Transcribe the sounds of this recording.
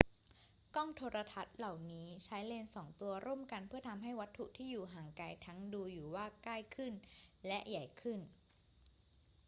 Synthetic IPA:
kɔ˥˩ŋt̪ʰoː˧ɾa˧t̪ʰa˦˥t̪̚la˨˩wniː˦˥t͡ɕʰa˦˥jle˧nsɔː˩˦ŋt̪u˧ɐɾʔo˥˩˨mka˧npʰɯ˥˩ɐt̪ʰa˧mɦa˥˩jwa˦˥t̪ʰːu˨˩ʔt̪ʰiː˥˩juː˨˩ɦaː˨˩ŋka˧jt̪ʰa˦˥ŋduː˧juː˨˩waː˥˩kaː˥˩jkʰɯ˥˩nlɛ˦˥ʔja˨˩jkʰɯ˥˩n

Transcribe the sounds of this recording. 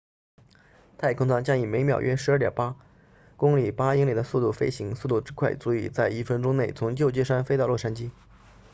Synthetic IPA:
t̪ʰa˥˩ɪkʰʊ˥ŋt͡sʰɑ˥ŋt͡ɕjɑ˥ŋi˨˩me˧˥ɪmjɑ˨˩ʊɥʔɛ˥ʂɻ̩˧˥˩t̪jɑ̰˨˩pa˥ | kʊ˥ŋli˨˩pa˥i˥ŋli˨˩d̪ə˦su˥˧t̪u˥˩fe˥ɪɕi˧˥ŋsu˥˧t̪u˥˩ʈ͡ʂɻ̩˥kʰwa˥˩ɪt͡su˧˥ḭ˨˩t͡sa˥˧ɪi˥˩fə˥nʈ͡ʂʊ˥ŋne˥˩ɪt͡sʰʊ˧˥ŋt͡ɕjo˥˧ʊt͡ɕjɛ˥˧ʂa˥nfe˥ɪt̪ɑ˥˧ʊlwɔ˥˩ʂ̬a˥nt͡ɕi˥

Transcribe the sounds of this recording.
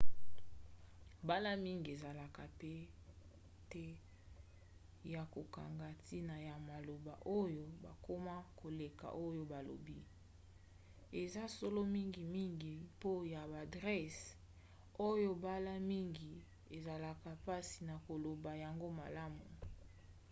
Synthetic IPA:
ba˦la˦mi˦ŋɡi˨e˨za˨la˨ka˨pe˦ | te˦ | ja˨ko˨ka˨ŋɡa˨ti˦na˨ja˨ma˨lo˨ba̰˨ʔo˦jo˦ba˨ko˦ma˦ko˨le˨ka̰˨ʔo˦jo˦ba˨lo̰˨bi˦ | e˨za˦so˦lo˦mi˦ŋɡi˨mi˦ŋɡi˨po˦ja˨ba˨dʁɛ˦s | o˦jo˦ba˦la˦mi˦ŋɡi˨ | e˨za˨la˨ka˨pa˦si˨na˨ko˨lo˨ba˨ja˨ŋɡo˦ma̰˨la˦mu˨

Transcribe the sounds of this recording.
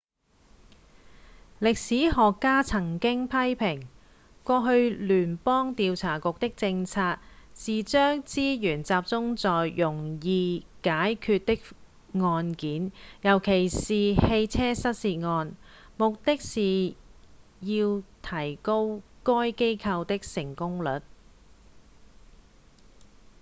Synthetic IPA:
lɪ˨k̚siː˨˥ɦɔː˨kːaː˥t͡sʰɐ˨˩ŋkɪ˥ŋpʰɐ˥jpʰɪ˨˩ŋ | kʷɔː˧ɦɵ˧ɥlyː˨˩npɔː˥ŋt̪iː˧wt͡sʰaː˨˩kʊ˨k̚t̪ɪ˥k̚t͡sɪ˧ŋt͡sʰaː˧t̚siː˨˩t͡ʃœː˥ŋt͡siː˥jyː˨˩nt͡saː˨p̚t͡sʊ˥ŋt͡sɔː˨jːʊ˨˩ŋjiː˨˧kaː˨˥jkʰyː˧t̚t̪ɪ˥k̚ | ŋɔː˧nkiː˨˥njɐ˨˩wkʰe˨˩jsiː˨he˧jt͡sʰɛː˥sɐ˥t̚siː˧t̚ŋɔː˧n | mʊ˨k̚t̪ɪ˥k̚siː˨ | jiː˧wt̪ʰɐ˨˩jko˥wkɔː˥jke˥jkʰɐ˧wt̪ɪ˥k̚sɪ˨˩ŋkʊ˥ŋlɵ˨˩t̚

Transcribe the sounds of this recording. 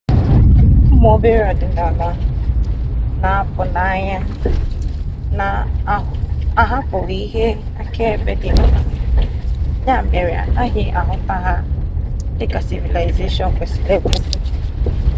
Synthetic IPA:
m̩˦m˦o˦be˦ɾe˦ɔ˨dɪ˨n̩˦da˨la˦ | na˨a˦pʊ˨na˦ɲa˦ | na˨˦˨ | a˨ɦa˦pʊ˨ɣi˨˦i˦ɦe˦ | a̰˨ke˦e˨be˦dɪ˨˦n˦na˨ɲa˦˨me˨ɾja̰˨a˦ɦɪ˨ʔa˨ɦʊ˨n̩˦ta˦ɦa˦ | dɪ˦ka˨si˨vi˨la˨jze˦ʃɔ˨ŋ˨kʷe˨si˨le˦˨ɡʷe˦n̩˦de˨

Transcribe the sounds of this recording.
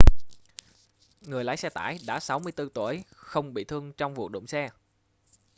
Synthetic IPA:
ŋɨ˨˩əjlaː˨˦jsɛ˧t̪a̰ː˧˩˨jɗa̰ː˧˥sa˨˦wmɨ˧əjt̪ɨ˧t̪u˧˩əjxə˧wŋ͡mɓḭ˧˨t̪ʰɨ˧əŋt͡ɕɔ˧wŋ͡mvṵ˨˩t̚ɗʊ̰˧˨wŋ͡msɛ˧

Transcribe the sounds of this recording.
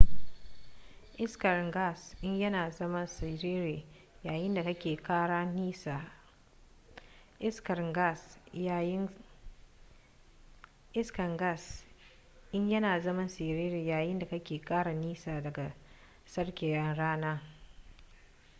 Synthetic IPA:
ʔɪ˦skɐ˨rɡa˦˨sʔɪ˦ɲjɐ˦naː˨zɐ˦mɐ˦nsɪ˨ɾeː˦ɾeː˨ | jaː˨jɪ˦nda˨kɐ˦kʲeː˨kaː˦ɽaː˦ni˦sa˨ | ʔɪ˦skɐ˨rɡa˦˨s | ʔɪ˦skɐ˨ŋɡa˦˨s | ʔɪ˦ɲjɐ˦naː˨zɐ˦mɐ˦nsi˨ɾeː˦ɾeː˨jaː˨jɪ˦nda˨kɐ˦kʲeː˨kaː˦ɽa˨niː˦saː˨dɐ˨ɡa˨ | sɐ˦rkʲeː˨jɐ˦nɽaː˦naː˦

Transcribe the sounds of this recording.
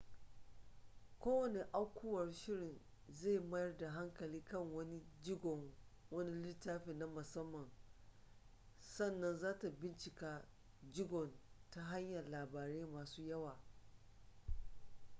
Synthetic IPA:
kʷoː˦wɐ˨ne˨ʔa˦wkʷʰʊ˦wɐ˨rʃɪ˦ɽɪ˨n | zeː˦˨mɐ˦jɐ˦rda˨ɦa˦ŋkɐ˨liː˦kɐ˦˨ŋwɐ˦ni˦d͡ʒɪ˦ɡɔ˨ŋ | wɐ˦ni˦lɪ˦taː˦ɸeː˨na˦mʊ˨sɐ˦mːɐ˨ŋ | sɐ˦˨nːɐ˦nzaː˦ta˨bɪ˦nt͡ʃɪ˨kaː˦ | d͡ʒɪ˦ɡɔ˨nta˦ɦa˦ɲjɐ˨laː˨baː˨ɾeː˦maː˨suː˦jɐ˦waː˨

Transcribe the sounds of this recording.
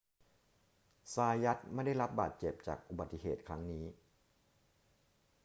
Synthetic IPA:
saː˧ja˦˥t̪̚ma˥˩da˥˩jɾa˦˥p̚baː˨˩t̪̚t͡ɕe˨˩p̚t͡ɕa̰ː˨˩k̚ʔu˨ba˨˩t̪ːi˧˩ɦḛː˨˩t̪̚kʰɾa˦˥ŋniː˦˥

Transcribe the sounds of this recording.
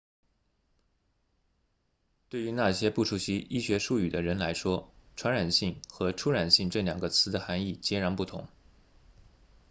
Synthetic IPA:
t̪we˥˩ɪy˧˥na˥˩ɕjɛ˥pu˥˩ʈ͡ʂʰu˧˥˩ɕi˧˥ʔi˥˩ɕɥɛ˧˥ʂu˥˩y˨˩d̪ə˦ɻə˧˥nla˧˥ɪʂwɔ˥ʈ͡ʂʰwa˧˥nɻa˨˩nɕi˥˩ŋxɤ˧˥ʈ͡ʂʰu˥ɻa˨˩nɕi˥˧ŋʈ͡ʂɤ˥˩ljɑ˨˩ŋɡə˦t͡sʰɹ̩˧˥d̪ə˧xa˧˥ni˥˩t͡ɕjɛ˥ɻa˧˥npu˥˩t̪ʰʊ̰˧˥ŋ

